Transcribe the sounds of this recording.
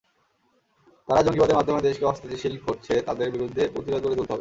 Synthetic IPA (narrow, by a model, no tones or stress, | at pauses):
t̪aɾad͡ʑoŋɡibad̪eɾmad̪ʱːomed̪eʃkeɔbost̪ʰat̪iʃil̚koɾt͡ɕʰet̪ad̪eɾbiɾud̪ʱːepɾot̪ibad̪̚koɾedelt̪ɦbe